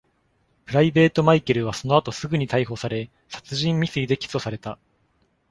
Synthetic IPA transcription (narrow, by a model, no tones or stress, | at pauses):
pɯ̟ɾaibe̞ːt̪o̞maikeɾɯ̟β̞aso̞no̞at̪o̞sɨɡɯ̟ɲ̟it̪aiɦo̞saɾe̞ | sḁt͡sɨʑĩmːʲisɨid̪e̞kʲi̥so̞saɾe̞t̪a